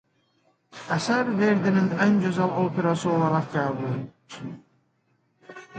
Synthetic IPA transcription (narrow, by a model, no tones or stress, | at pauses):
æsæɾveɾd̪ininænd͡ʒøzɑlˠopʰeɾasɯolˠɑɾɑqɡæːbulˠ